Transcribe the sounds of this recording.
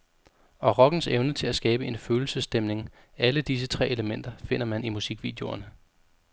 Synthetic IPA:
ɒ̽ʁɒ̽ɡ̥n̩seʊnət͡sʰe̝læsɡ̥ɛːb̥əe̝nføːl̩səsd̥emne̝ŋ | æləd̥is̬ət͡sʰʁɛ̰ːeləmen̰d̥ɐfe̝n̰ɐmænimusiɡ̥ʋḭːd̥ejo̝ɐnə

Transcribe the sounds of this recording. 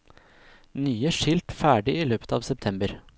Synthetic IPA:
nyːəʂɪlt̪fæːɖɪiːløːpə̥t̪ʰɑːʋsɛpt̪ʰɛmbəɾ

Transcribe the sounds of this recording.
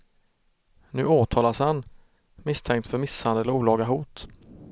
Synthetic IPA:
nʉ̟ːoːt̪ʰɑːlashan | mɪst̪ʰɛŋk̚t̪fœɾmɪshand̪əlɔuːlɑːɡaɦuːt̪

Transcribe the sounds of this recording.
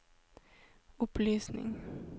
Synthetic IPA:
ɵpːlyːsnɪ̰ŋ

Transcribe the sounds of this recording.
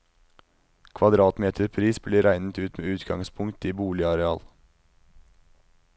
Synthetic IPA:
kʰʋɑd̪ɾɑːt̪meːt̪ʰəɾpʰɾiːsbliːɾæɪnət̪ʉːt̪meːʉːt̪ɡɑŋspʰʊŋt̪iːbuːlɪɑɾɛɑːl

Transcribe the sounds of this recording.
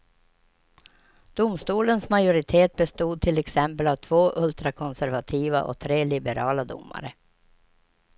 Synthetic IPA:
d̪̥ʊmst̪uːlənsmajʊɾɪt̪ʰeːt̪̚bɛst̪uːd̪̚t̪ʰɪlɛksɛmpəlavt̪ʰvoːʔɵlt̪ɾakʰɔnsæɾvat̪ʰiːva̰ʔɔ̰k̚t̪ʰɾeːlɪbɛɾɑːlad̪ʊ̰mːa̰ɾə

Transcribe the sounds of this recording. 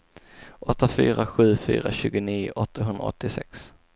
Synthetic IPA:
ʔɔt̪ːafy̰ːɾaɧʉ̟ːfy̰ːɾaɕʉ̟ːɡʊniːʔɔt̪ːaɦɵnd̪ɾa̰ɔ̰t̪ːɪsɛks

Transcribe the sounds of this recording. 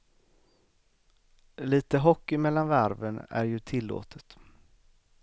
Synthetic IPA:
liːt̪əɦɔkːɪmɛlːanvæɾvənæ̰ɾjɵt̪ʰɪlːo̰ːt̪ʰə̥t̪

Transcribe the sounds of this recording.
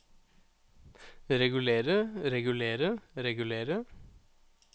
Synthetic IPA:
ɾɛɡʉleːɾəɾɛɡʉleːɾəɾɛɡʉleːɾə

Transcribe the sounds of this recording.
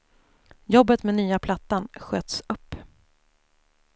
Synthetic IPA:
jɔbːət̪meɛnyːapʰlat̪ːanɧøːt̪sɵpː

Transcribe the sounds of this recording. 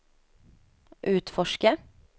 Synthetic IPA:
ʔʉːt̪fɔʃkə

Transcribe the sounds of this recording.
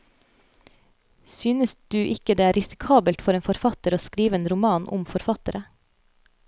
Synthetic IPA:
syːnəsd̪̥ʉːʔɪkəd̪eːæːɾɪsɪ̥kʰɑːbəlt̪fɔɾeːnfɔɾfɑt̪əɾoːskɾiːʋəeːnɾʊmɑːnʔʊ̰mfɔɾfɑt̪əɾʔə

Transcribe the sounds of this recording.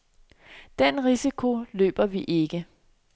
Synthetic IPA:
d̥enʁisikʰo̝lø̰ːb̥ɐʋiʔe̝ɡ̥ə

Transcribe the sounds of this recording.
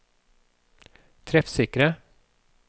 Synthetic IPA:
t̪ʰɾɛfsɪkɾə

